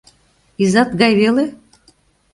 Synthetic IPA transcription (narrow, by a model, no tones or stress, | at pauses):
izɑt̪ɡɑjβele